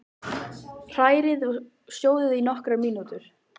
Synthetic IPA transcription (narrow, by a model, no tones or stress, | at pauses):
r̥aːjɾɪð | sjoːwðʏðinɔhkɾamiːnut̪ʏɾ̥